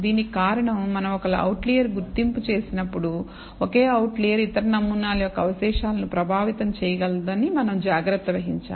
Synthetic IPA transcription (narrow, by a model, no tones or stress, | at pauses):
d̪iːnikaːɾɐɳɐmːɐnɐmɔkɐlɐɐ̰wʈlijɐɾɡuɾt̪imput͡ʃe̞ːsinɐpːuɽu | oke̞ːɐwʈliːjɐɾit̪ɐɾɐnɐmːunaːlɐjɔkːɐʋɐʃɛːʂaːlɐnupɾɐbʱaːʋit̪ɐmt͡ʃɛjɐɡɐld̪ɐnimɐnɐmd͡ʒaːɡɾɐt̪ːɐʋɐɦiɲt͡ʃa̰ː